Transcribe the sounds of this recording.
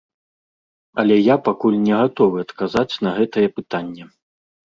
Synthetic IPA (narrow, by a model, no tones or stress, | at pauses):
ɐlʲɛjapakulʲnʲɛɣat̪ɔvɨɐt̪kazat͡sʲnɐɣɛt̪ɐjɛpɨt̪anʲːɛ